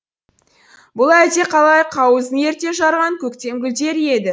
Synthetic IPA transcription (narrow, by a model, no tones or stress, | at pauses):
bʊlˠæt̪e̞qʰɑlˠɑjqʰɑwəzəe̞ɾt̪e̞ʒɑɾʁɑŋkʲʰɵkt̪e̞mɡʲɪlt̪e̞ɾe̞d̪ɪ